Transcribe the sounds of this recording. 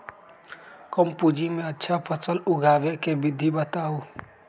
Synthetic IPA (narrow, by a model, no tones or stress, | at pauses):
kəmpud͡ʒimẽətːʃʰapʰəsəlʊɡʱaːʋekebɪd̪ʱibət̪aːu